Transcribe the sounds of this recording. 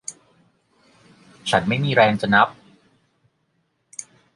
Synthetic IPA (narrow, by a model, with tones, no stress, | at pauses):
t͡ɕʰa˦˥nma˥˩jmiː˧ɾɛː˧ŋt͡ɕa˨˧na˦˥p̚